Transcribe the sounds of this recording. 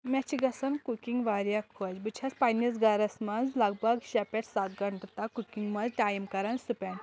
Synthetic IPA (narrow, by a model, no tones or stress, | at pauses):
mat͡ɕiɡɐsɐnkukiŋɡʋaɾjakʰːod͡ʒbɨt͡ɕʰaspajnisɡaɾɐsmad͡zlaɡbəɡɕɛpeʈsat̪ɡʱəɳʈt̪akukiŋɡmɐd͡zʈajmkɐɾansupɛn